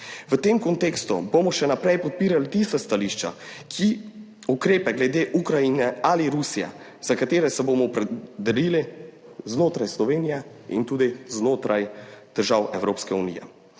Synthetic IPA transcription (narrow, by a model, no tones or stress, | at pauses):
ʋət̪eːmkɔnt̪eːkst̪ṵbomɔʃɛnapɾɛjpɔt̪̚piːɾalit̪ist̪ast̪aliʃt͡ʃa̰kʰi | ukɾeːpɛɡlɛd̪eːʔukɾainɛaliɾusijɛ̰ | z̥akat̪eːɾɛsɛbomɔpɾɛd̪ɛliliznoːt̪ɾajslɔʋeːnijɛḭnt̪uːd̪iznoːt̪ɾʔajd̪̥əɾʒaːwɛwɾoːpskɛunḭjɛ̰